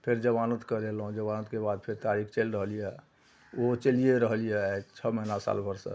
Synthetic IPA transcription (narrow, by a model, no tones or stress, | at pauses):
pʰeɾd͡ʒəbanət̪kəɾelɦũd͡ʒəbanət̪kebad̪̚pʰeɾt̪aɾikʰt͡ʃelɾəɦəlijɛ | ot͡ʃəlijeɾəɦlijɛkt͡ʃʰəməinasa̰lbʱəɾsə̰